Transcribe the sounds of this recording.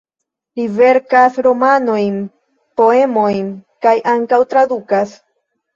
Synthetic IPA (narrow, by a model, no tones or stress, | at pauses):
live̞ɾkasɾo̞mano̞jn | po̞e̞mo̞jnkajʔaŋkawt̪ɾad̪ukas